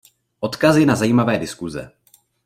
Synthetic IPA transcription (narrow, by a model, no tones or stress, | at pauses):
ʔo̞t̪kasjɛnazajiːmavɛːdɪskuzɛ̰